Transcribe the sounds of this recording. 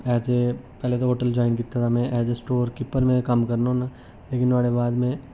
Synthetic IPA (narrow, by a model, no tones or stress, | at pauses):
ɛːsepɛːlet̪̬oɦoːʈəld͡ʒɔːɪnkɪt̪ːat̪ʰamɛ̃ʔɛːsesʈoːɾkɪpəɾmẽkɐmkɐɾnaũna | leːkɪnaːɽebaːd̪mẽ